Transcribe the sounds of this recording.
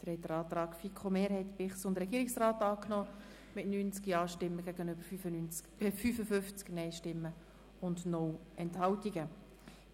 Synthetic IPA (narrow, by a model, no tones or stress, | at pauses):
d̪̥ɾɛtːəɾɑːt̪ɾɑːkfikʰomeːɾhɛt̪bɪχsʊnd̪əɾɛɡ̥iːɾiksraːt̪ɑːknɔ | mɪtnyːnt͡skiɑːʃtɪmːəɡ̥æɡənøb̥əɾyy | fyfəfʏft͡sknɛɪʃtɪmːə | ʊndnɔlɛnthɑwtiɡə